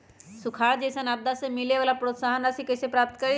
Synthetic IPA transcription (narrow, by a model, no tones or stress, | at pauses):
sʊkʰaːɾd͡ʒɛːsənab̚d̪asemɪleʋaːlapɾoːt̪saːɦənɐsikɛːsepɾaːp̚t̪kɐɾi